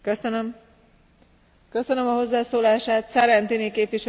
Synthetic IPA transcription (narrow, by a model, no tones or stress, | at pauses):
køsønøm | køsønø̞mɒɦo̞zːaːsoːlaːʃaːt̪sɛɾɛnt̪inikeːpviʃ